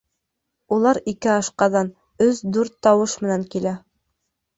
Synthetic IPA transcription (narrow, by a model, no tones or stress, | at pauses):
ulˠɑɾikɘɑʃqɑd̪ɑn | ɵzd̪ʉɾt̪ːɑwɤʃmɘ̆næŋkilæ